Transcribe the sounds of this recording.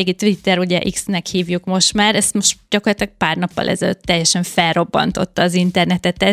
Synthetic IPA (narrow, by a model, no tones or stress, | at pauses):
eːɡit̪ʋit̪ːɛɾuɟɛʔiksnɛkhiːvjukmo̞ʃt̪maːɾɛst̪moʃtɟ̥ɒkorlɒt̪lɒk̚paːrnɒpːɒ̰lʔɛ̰zɛløt̪ːɛjːɛʃɛɱffɛlro̞bːɒ̰nt̪o̞t̪ːɒːzint̪ɛrnɛt̪ɛt̪ɛ